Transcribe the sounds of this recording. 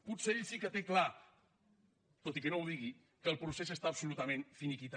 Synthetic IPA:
put̪seeʎsikət̪ekla | t̪ot̪ikənowðiɣi | kəlˠpɾusesəst̪aəpsulut̪əmẽnfinikit̪

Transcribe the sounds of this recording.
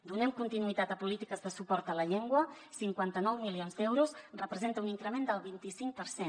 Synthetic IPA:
d̪unɛmkunt̪inuit̪at̪əpulit̪ikəzðəsupɔɾt̪ələʎeŋɡwə | siŋkwant̪ənɔwmilionzd̪ɛwɾusrəpɾəzent̪əuniŋkɾəmẽnd̪əlˠβint̪isiŋk̚pəɾsen

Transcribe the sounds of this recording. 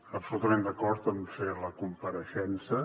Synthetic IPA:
əpsulut̪əmẽnd̪əkɔɾt̪əmfeləkumpəɾəʃɛnsə

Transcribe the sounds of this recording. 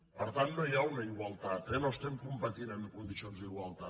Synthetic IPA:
pəɾt̪annojawnaiɣwalt̪at̪enoest̪emkumpat̪inenkund̪isionzðiɣwalt̪a

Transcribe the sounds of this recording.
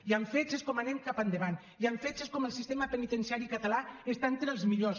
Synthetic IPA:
iaɱfet͡ʃeskɔmanɛmkapand̪eβan | iaɱfet͡ʃeskɔməlˠsist̪eməpənit̪ənsiaɾikət̪alaest̪ant̪ɾeəlˠzmiʎos

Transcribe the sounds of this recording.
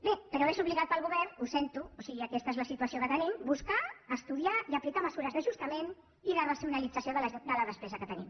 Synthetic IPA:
bepəɾawezuβliɣat̪̚pəlˠɣuβɛrnusent̪uusiɣiəkɛst̪əezləsit̪uəsiokət̪ənimbuskaəst̪uðiaiəplikaməzuɾəzðəʒust̪əmen | iðərəsiunəlid͡zəsioðəld̪ələðəspɛzəkət̪ənḭm

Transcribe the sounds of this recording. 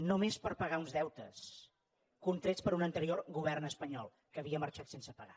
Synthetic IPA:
nomespəɾpəɣaunzðɛwt̪əs | kunt̪ɾespəɾunənt̪əɾiorɣuβ̞ɛrnəspəɲɔlˠ | kəβiəməɾt͡ʃat̪sensəpəɣa

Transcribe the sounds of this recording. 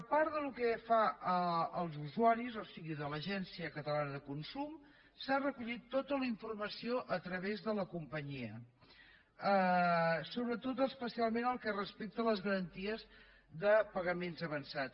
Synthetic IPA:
əpaɾðəlukɛfaəəlˠzuzuaɾizɔsiɣiðələʒɛnsiəkət̪əlanəðəkunsum | sarəkuʎit̪ːot̪ələiɱfurməsioʔət̪ɾəβezðələkumpəɲiə | ə | soβɾət̪ot̪əspəsialˠmenəlˠkɛrəspek̚t̪ələzɣəɾənt̪iəz | ðəpəɣəmenzəβənsa

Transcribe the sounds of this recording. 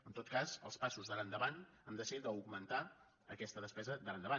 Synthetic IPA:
ənt̪ot̪̚kazə̰lˠspasuzðələnd̪əβan | əmd̪əsiðit̪əuɡmənt̪a | əkɛst̪əðəspɛzəðələnd̪əβa

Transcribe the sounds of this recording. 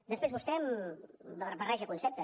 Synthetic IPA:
d̪əspɾezβust̪ɛmbərəpɐrɛʒəkunsɛp̚t̪ə

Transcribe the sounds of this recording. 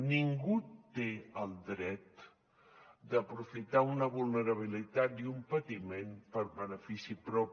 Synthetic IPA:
niŋɡut̪eəlˠd̪ɾɛt̪ | d̪əpɾufit̪aunəβulˠnəɾəβ̞ilit̪at̪̚iumpət̪imenpəɾβənəfisipɾɔp

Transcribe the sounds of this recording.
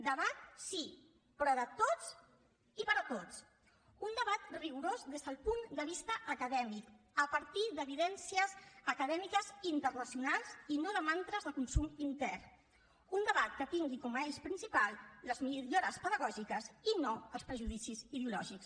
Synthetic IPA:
d̪əβat̪̚si | pɾɔðət̪ot͡s | ipəɾət̪ot͡s | und̪əβat̪riɣuɾozðezðəlˠpund̪əβ̞ist̪əʔːkəðɛmik | əpəɾt̪id̪əβiðɛnsiəzəkəðɛmikəzint̪ərnəsiunalˠzinoðəmant̪ɾəzðəkunsumint̪ɛr | und̪əβat̪̚kət̪iŋɡikɔməeʃpɾinsipalˠːəzmiʎoɾəspəðəɣɔʒikəzinoəlˠspɾəʒuðisiziðeulɔ̰ʒiks

